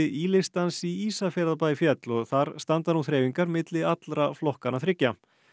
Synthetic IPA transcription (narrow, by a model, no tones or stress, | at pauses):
ɪilɪst̪ansiiːsafɛːɾapaːjfjɛt̪lɔɣθaɾ̥st̪ant̪anuθɾeːjviŋkaɾmɪt̪lɪat̪lɾaflɔhkanaθɾɪcːa